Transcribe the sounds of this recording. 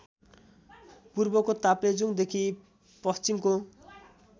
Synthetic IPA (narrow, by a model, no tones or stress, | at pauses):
puɾbɔkot̪apled͡ʒuŋd̪ekʰi | pɔst͡ʃimko